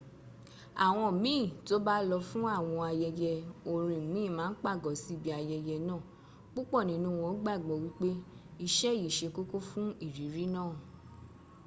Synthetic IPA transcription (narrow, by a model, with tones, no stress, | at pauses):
a̰˨w̃ɔ̃˧mĩː˦˨to˦ba˦lɔ˧fũ˦a˦˨w̃ɔ̃˧a˧jɛ˧jɛ˧o˨ɾ̃ĩ˨mĩ˦˨mãː˨˦n̩˦k͡pa˦˨ɡɔ˨si˦bi˧˦a˧jɛ˧jɛ˧nãː˦˨ | k͡pu˦k͡pɔ˦˨nĩ˨˦nũ˦w̃ɔ̃˧˦ɡ͡ba˦˨ɡ͡bɔ˨wi˦k͡pe˦i˧ʃɛ˦˨ji˨ʃe˧ko˦ko˦fũ˦i˦˨ɾi˨˦ɾi˦nãː˦˨